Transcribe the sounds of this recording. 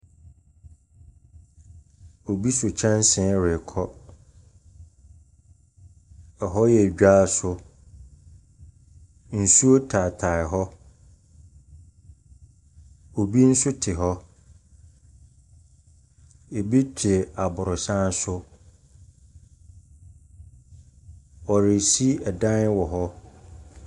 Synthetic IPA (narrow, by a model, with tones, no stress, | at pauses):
o˨bi˦sʊ˨t͡ɕʰã˦n˦sɪ̃˦ɾɪ˨kʰɔ˦ | ɛ˨ɦɔ˦jɛ˨ɟᶣa˦˨sʊ˦ | n̩˨su˦o˦tʰa˨tʰa˨ɪ˨ɦɔ˦ | o˨bi˦n̩˦sʊ˦tʰɪ˨ɦɔ˦ | e˨bi˦t͡ɕʰᶣɪ˨a˨bʊ˨ɾʊ˨sã˦n˦sʊ˦ | ɔ˨ɾɪ˨si˦ɛ˨dã˦n˦wɔ˨ɦɔ˦